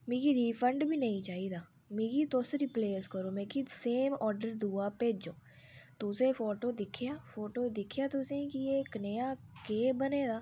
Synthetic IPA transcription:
mĩːkiɾiːfə̃ɳɖbʱinɐĩt͡ʃaːɦid̪aː | mĩːɡit̪osɾipleːskəɾomẽːkid̪seːmɔːɾɖəɾd̪uːapeːd͡ʒoː | t̪osẽfoːʈoːd̪ɪkʰijaːfoːʈoːd̪ɪkʰjat̪ʊsẽkieknejakeːbəneːd̪aː

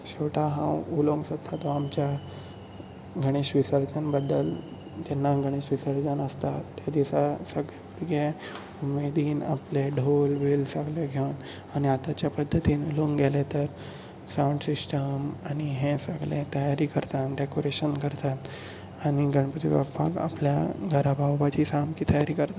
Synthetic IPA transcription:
ɕeʈaɦã̰wuloŋɡsət̪ʰːat̪ɔamt͡ɕja | ɡʱəɽ̃iɕʋisəɾd͡zanbəd̪ːə̰l | d͡ʑɛnːaɡʱəɽ̃iɕʋisəɾd͡zanəst̪aːjad̪isasəɡɭjaʋəɾɡe | umed̪iːna̰pleɖʱolʋilsəɡleɡʱewn | aɽ̃iat̪at͡ɕjapəd̪ʱːət̪iːnuluːŋɡɡʱɛlet̪əɾ | sauɳɖsisʈəmaɽ̃iɦẽsəɡlet̪əjaɾiːkəɾt̪anɖekoɾeɕənkəɾt̪at̪ | aɽ̃iɡʱəɳpət̪ḭʋə̰ɡpa̰ka̰pljaɡʱəɾabʱawbat͡ɕiːsamkiːt̪əjaɾiːkəɾt̪at̪

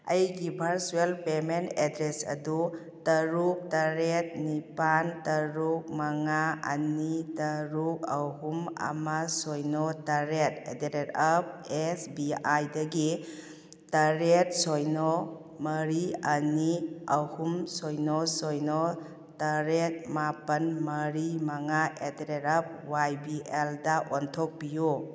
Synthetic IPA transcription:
ɐjɡibʱɐɾsuelpementedɾesɐ̰du | tɐɾuk̚tɐɾet̚nipantɐɾuk̚maŋaɐ̰nitɐɾuk̚ahuma̰masojnɔtɐɾet̚edeɾetap̚esbiajdɐɡi | tɐɾet̚sojnɔ | mɐɾiɐniɐhumsojnɔsɔjnɔ | tɐɾet̚mapɐnmɐɾimaŋaʔedeɾetɐp̚wajbieldaʔɔntʰɔk̚biju

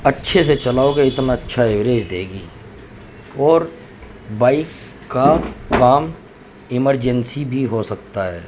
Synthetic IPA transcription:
ɐtːʃʰes̬et͡ʃɐlaːokeɪt̪naɐtːʃʰaeʋɾeːd͡ʒd̪eːɡiː | ɔːɾ | baːɪkː | akaːm | ɪməɾd͡ʒənsibʱiɦosɐkt̪aɦɛː

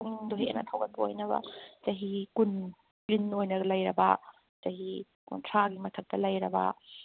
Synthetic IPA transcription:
doɦiḛnɐ̰tʰawɡɐt̚bɐojnɐbɐ̰d͡ʒɐɦikun | plinojnɐɡɐlɐjɾɐbɐ | d͡ʒɐɦi | ko̰ntʰɾaɡimɐtʰɐk̚tɐlɐjɾɐbɐ̰

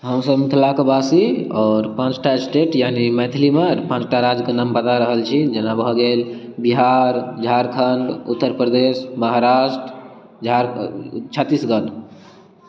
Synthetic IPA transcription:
ɦəmsəbmit̪ʰlakebasiɔːɾpãt͡ʃʈʰasʈeʈjanimɛt̪ʰilimeɾpãt͡ʃʈʰaɾad͡ʒkənəmpət̪aɾəɦəlt͡ʃʰid͡ʒenabʱɔɡel | biɦaɾd͡ʒʱaɾkʰənɖ̪ut̪ːəɾpɾəd̪esməɦaɾaʃʈɾ | d͡ʒʱaɾt͡ʃʰət̪ːisɡət̪

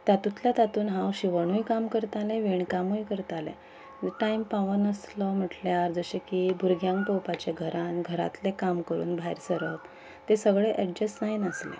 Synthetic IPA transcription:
t̪at̪ut̪ljat̪at̪uːnɦãwɕiʋəɳ̃ujkamkəɾt̪alẽʋiɳkamujkəɾt̪alḛ̃ | ʈaimpaʋənəslɔm̤əʈljaɾd͡zəɕekiːbʱuɾɡʱjãŋkpowpat͡ɕeɡʱəɾanɡʱəɾa̰t̪lekamkəɾṵːnbʱaiɾsəɾəp | t̪esəɡɭeʔɛʈ̚d͡ʑəsnajnəslḛ

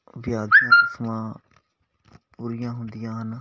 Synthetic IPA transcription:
ʋɪjaːd̪ijãːkɪsmãː | puːɾɪjãːɦʊnd̪ɪjãːɦən

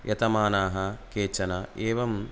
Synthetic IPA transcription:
jʔɐt̪ɐmaːnaːɦɐkeːt͡ʃɐnɐʔeːʋɐm

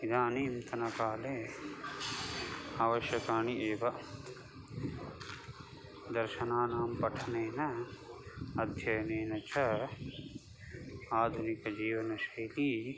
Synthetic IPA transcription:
id̪aːniːmt̪ɐnɐkaːleː | aːʋɐʃjɐkaːɳiʔeːʋɐ | d̪ɐɾʃɐnaːnaːmpɐʈʰɐneːnɐ | ɐd̪ʱjɐjɐneːnɐt͡ʃʰɐ | aːd̪ʱunikɐd͡ʒiːʋɐnɐʃɐjliː

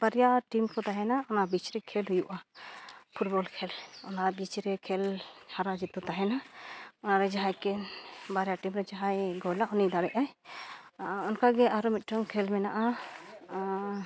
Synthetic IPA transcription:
b̥aɾijaʈimkɔt̪aɦɛnaɔnabit͡ʃɾɛkʰɛlɦujuʔa | pʰuʈ̚bɔlkʰɛlɔnabit͡ʃɾɛkʰɛlhaɾad͡ʒit̪ɔt̪aɦɛnaɔnaɾɛd͡ʒaɦajkɛnbaɾjaʈimɾɛd͡ʒaɦajɡɔlaʔɔnid̪aɽɛʔaj | ɔnkaɡɛʔaɾɔmit̪̚ɾɔŋkʰɛlmɛnaʔa

